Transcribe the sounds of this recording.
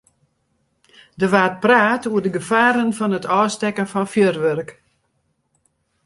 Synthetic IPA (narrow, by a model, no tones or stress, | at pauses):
dəʋaːt̚praːtuərdəɡəfaːɾənfɔnətʰɔːstɛkənfɔnfjørʋørk